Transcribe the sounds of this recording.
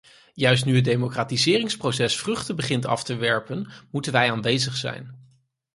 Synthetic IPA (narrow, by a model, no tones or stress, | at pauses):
jœɥs̬tnyɦəd̚ejmokraːtizɪːrɪŋsprowsɛsfrɵχtəbəχɪntɑ̰ftəʋɛɹpənmutənʋɛjaːnʋejzəχsɛ̰jn